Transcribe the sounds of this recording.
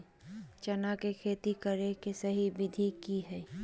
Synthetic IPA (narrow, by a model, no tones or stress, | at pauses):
t͡ʃɐnakekʰeːt̪ikəɾekesɐɦibɪd̪ʱikiɦɛː